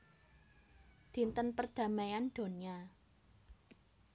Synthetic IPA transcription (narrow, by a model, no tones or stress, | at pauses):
d̪̥i̤nt̪ənpərd̪̥ä̤majand̪̥o̤nia